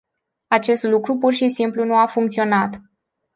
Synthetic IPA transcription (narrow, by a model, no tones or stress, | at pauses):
at͡ʃe̞st̪lukɾupurʃisimplunuafuŋkt̪sio̞nat̪